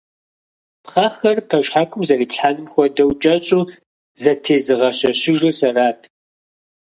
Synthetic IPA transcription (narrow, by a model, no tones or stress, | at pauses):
pχaːxɐrpʰɐʃħaːkʷʰʼʊmzɐriːpɬħaːnɨmxʷɔdɐwt͡ʃʼɐɕʼuː | zɐtʰeːzɨʁɐɕɐɕɪʒusɐraːtʰ